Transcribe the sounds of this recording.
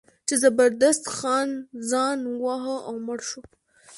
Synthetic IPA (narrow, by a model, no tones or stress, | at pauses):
t͡ʃezabaɾd̪ast̪xɑnzɑnwɑɦəʔawməɽʃo